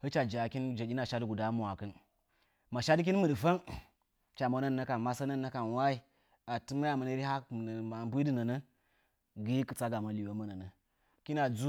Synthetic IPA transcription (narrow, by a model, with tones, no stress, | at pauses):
hə˦t͡ʃa˨d͡ʒa˨ki˦nd͡ʒa˨i˦na˨ʃa˦dɡu˨da˦mu˨a˨kɨ˦n | ma˨ʃa˦dk̬i˦n˦mɨ˨ɗɨ˨fa˦n | t͡ʃa˨mo˨˦nəː˦˨ə˦ka˨nma˦sa˦nəː˦˨ə˦ka˨nwa˦i˦ | a˨tɨ˦ma˦ja˨mə˨nə˦ɾi˦ɦa˦m˨n˨ma˨bu˦i˦dɨ˦˨nə˨nə˦ | ɡi˦kɨ˦t͡sa˦ɡa˨ma˨li˨wa˦mə˦nə˨nə˨ | ki˦na˨d͡zu˦